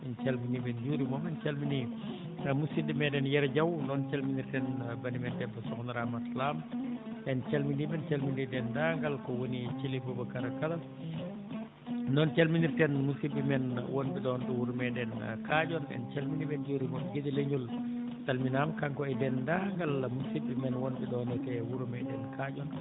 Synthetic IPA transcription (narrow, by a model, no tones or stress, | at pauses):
ɛnt͡ʃɐlminibɛnɟuːɾimɔmɛnt͡ʃɐlmini | muskidimɛdɛnjɛɾɟɐwnɔːnt͡ʃɐlminirtɛnbɐnimɛntɛnfɐsɔkɔnɾamatlaːmʔɛnt͡ʃɐlminibɛnt͡ʃalmindidɛndaːŋɡɐlkɔwonit͡ʃilifubɐkɐɾɐkɐlɐ | nɔnt͡ʃalminiɾtɛnmusibimɛnwɔnbɛdɔnɗɛwuɾmɛdɛnkad͡ʒɔnɛ̰nt͡ʃalminibɛnd͡ʒuɾimɔnɡidileɲul | talminamkaŋkɔɛdɛndaŋɡalmusibːimɛnwɔnbɛdɔnɛtɛwuɾmɛdɛnkʰad͡ʒɔn